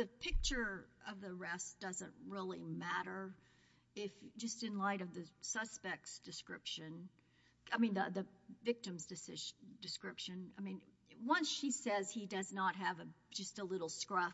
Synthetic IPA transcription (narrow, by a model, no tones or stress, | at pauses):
ðɨpʰɪk̚t͡ʃə˞ʌvðɨɹɛsd̥ʌzə̰̃nt̚ɹɪlˠimæɾə˞ | ɪfd͡ʒʌstɨ̃nlaɪɾʌvðɨsʌspɛk̚tsd̥ɨskɹɪpʃɨ̃n | aɪmĩnðəðɨvɪk̚tɨ̃mzdɨsɪdɨskɹɪpʃɨ̃naɪmĩn | wʌ̃nsʃisɛz̥idʌznət̚ɦɨvɨ̥d͡ʒʌstəlɪɾl̩ˠskɹʌ